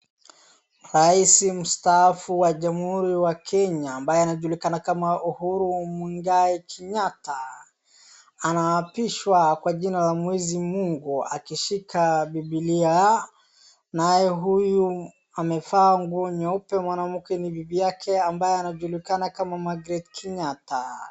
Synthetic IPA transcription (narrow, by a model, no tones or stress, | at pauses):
ɾaisim̩staafuwaʄamhuɾiwakʰɛɲaːmbajɛanaʄulikanakamaʔuhuɾumwiŋɡaɛkʰɛɲata | anaːpiʃwakwaʄinalamwɛzimuŋɡua̰kiʃikabibilia | najɛɦuju | amɛfaːŋɡuɔɲɔpɛmwanam̩kɛnibibijakʰɛambajɛanaʄulikanakamamaɡɾɛtkʰiɲata